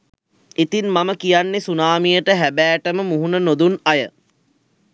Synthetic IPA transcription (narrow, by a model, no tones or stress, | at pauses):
it̪inmaməkijanːesunaːmijəʈəɦæbæːʈəməmuɦunənod̪unajə